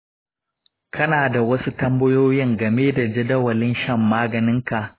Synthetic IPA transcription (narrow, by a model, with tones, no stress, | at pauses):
kʰɐ˦naː˨da˨wɐ˦su˦tɐ˦mbɐ˦joː˦jɪ˦ŋɡɐ˨meː˦da˨d͡ʒɐ˦dɐ˦wɐ˨lɪ˦nʃɐ˦˨mːaː˦ɡɐ˨nɪ˦ŋka˨ʔ